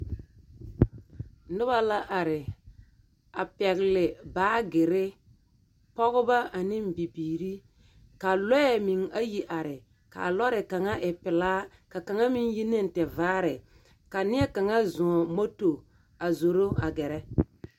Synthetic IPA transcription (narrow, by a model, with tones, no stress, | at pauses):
nʊ˦ba˨la˦ʔa˨ɾɪ˨ | a˨pɛ˨ɣɪ˨lɪ˨baː˦ɡɪ˨ɾɪ˦ | pɔ˦ɣʊ˦ba˦ʔa˨nɪ˦mbi˨biː˨ɾi˦ | ka˨lɔ˦ɛ˦˨mi˨ŋa˦ji˨ʔa˨ɾɪ˨ | ka̰˨lɔ˦ɾɪ˨ka˨ŋa˦ʔɪ˨pɪ˨laː˦ | ka˨ka˨ŋa˦mi˦ŋji˦nɪ˦n̩˨tɛ˨vaː˦ɾɪ˨ | ka˨nɪ˦ɛ˦ka˨ŋa˦zʊ̃˨mo˦to˨ | a˨zo˨ɾo˦a˨ɡɛ˨ɾɛ˦